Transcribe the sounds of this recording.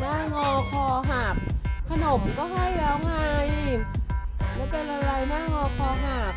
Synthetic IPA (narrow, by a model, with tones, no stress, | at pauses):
naː˥˩ŋɔː˧kʰɔː˧ɦaː˨˩p̚kʰa˧no˨˩˦mkɔː˥˩ɦa˥˩jlɛː˦˥wŋa˧j | lɛː˦˥˩wpe˧nʔa˧ɾa˧jnaː˥˩ŋɔː˧kʰɔː˧ɦaː˨˩p̚